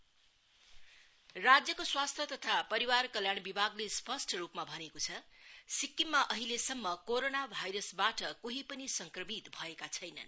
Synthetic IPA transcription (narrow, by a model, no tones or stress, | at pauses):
rad͡zjʌkoswast̪ʰjʌt̪ʌt̪ʰapʌɾiwarkʌljaɽbibʱaɡlespʰʌsʈrupmabʱʌnekot͡sʰʌsikːimːaʔʌɦilesʌmːʌkoɾonabʱajɾʌsbaʈʌkoɦipʌnisʌŋkrʌmit̪bʱʌekat͡sʰʌjnʌ̰n